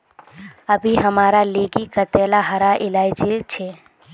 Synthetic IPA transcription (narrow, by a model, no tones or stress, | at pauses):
əbʱiɦəmaːɾaleːɡikət̪eːlaɦəɾaʔɪlaːɪt͡ʃeɾt͡ʃʰeː